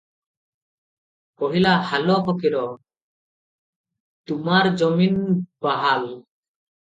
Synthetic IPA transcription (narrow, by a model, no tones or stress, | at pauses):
kɔɦilahalɔɦɔkiɾɔ | t̪umaɾd͡ʒɔminbaɦal